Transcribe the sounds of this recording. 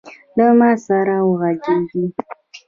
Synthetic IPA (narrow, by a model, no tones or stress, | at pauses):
dəmasaɾawuɣaɡiɡi